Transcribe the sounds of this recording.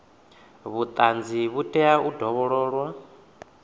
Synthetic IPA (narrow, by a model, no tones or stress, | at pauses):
βut̪ʼand͡ziβutʼɛaudʱɔβɔɺɔːɺwa